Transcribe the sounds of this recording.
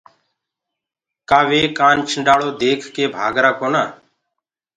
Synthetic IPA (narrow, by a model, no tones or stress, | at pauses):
kaːʋeːkaːnt͡ʃʰəɳɖaːɭoːd̪eːkʰkeːbʱaːɡɾaːkoːnaː